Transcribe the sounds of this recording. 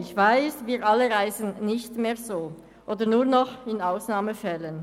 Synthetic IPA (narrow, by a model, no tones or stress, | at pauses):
ɪçv̥aɪsviːʁʔaləʁaɪzən̩nɪçtmeːɐzoː | ʔoːdənuːɐnɔχɪnaʊsnaːməfɛlən